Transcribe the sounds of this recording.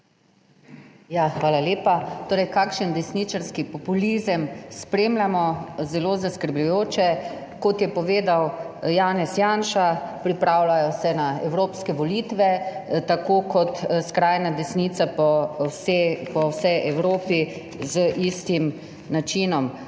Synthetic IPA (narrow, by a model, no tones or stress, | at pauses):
jaxʋaːlaleːpat̪oːɾɛjkaːkʃənd̪ɛsnit͡ʃaɾskipɔpulizəmspɾeːmlʲamɔzɛloːzaskəɾblujoːt͡ʃɛ | kɔt̪jɛpɔʋeːd̪awjaːnɛsjanʃapɾipɾaːwlajɔsɛnaɛwɾoːpskɛʋɔlit̪ʋɛt̪akoːkɔt̪skɾaːjnad̪ɛsniːt̪sapɔspɔwsɛjʔɛwɾoːpi | zəʔist̪im | nat͡ʃinɔm